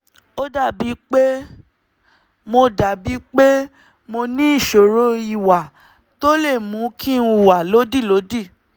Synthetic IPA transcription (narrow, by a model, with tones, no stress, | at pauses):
o˦da˦˨bi˨˦k͡pe˦ | mo˧da˨bi˨˦k͡pe˦ | mo˧nĩ˦i˦˨ʃo˨ɾo˧˦i˨wa˨ | to˦le˦˨mũ˨˦kʰĩ˦ũ˧˦˨wa˨lo˨˦di˦˨lo˨˦di˦˨